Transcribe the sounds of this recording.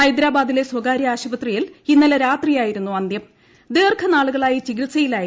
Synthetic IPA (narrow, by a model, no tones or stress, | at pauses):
ɐjd̪ɾaːbaːd̪ile̞swɐɡaːɾjɐaːɕubɐt̪rijilinːɐlɐɾaːt̪rijaːjiɾunːuɐnd̪jɐm | d̪eːrkʰɐnaːɭuɣɐɭaːjit͡ɕiɣilsɐjilaːj